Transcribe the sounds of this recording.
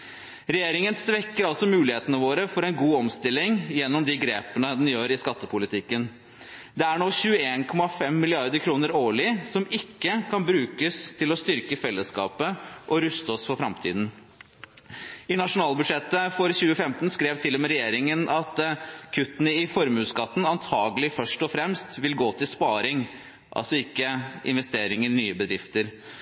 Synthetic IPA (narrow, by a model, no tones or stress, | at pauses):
ɾɛjeːɾɪŋənsʋɛkːəɾɑlsɔmʉːlɪheːt̪ənəʋoːɾəfɔɾɛnɡuːɔmst̪ɪlːɪŋjɛnːɔmd̪ɪɡɾeːpənəd̪ɛnjøːɾɪskɑt̪ːəpʰʊlɪt̪ʰɪkːən | d̪ɛæɳoːɕʉːəeːnkʰɔmɑfɛmːɪlɪɑɾd̪əɾkʰɾuːnəɾoːɭɪsɔmɪkːəkʰɑnbɾʉːkəst̪ʰɪlɔst̪ʏɾkəfɛlːəskɑ̰ːpəʔɔɾʉst̪əɔsfɔɾfɾɑmt̪ʰḭːd̪n̩ | ɪnɑʂʊnɑːlbʉd̪ʂɛt̪ːəfɔɾçʉːəfɛmt̪n̩skɾeːʋt̪ʰɪlːɔmɛɾɛjeːɾɪŋənʔɑt̪kʰʉt̪nəɪfɔɾmʉːskɑt̪ːn̩ɑnt̪ʰɑːɡəlɪfœʂʈɔfɾɛmst̪ʋɪlɡoːt̪ʰɪlspɑːɾɪŋ | ʔɑ̰lsɔɪkːəʔɪ̰nʋɛst̪eːɾɪŋəɾnyːəbəd̪ɾɪft̪əɾ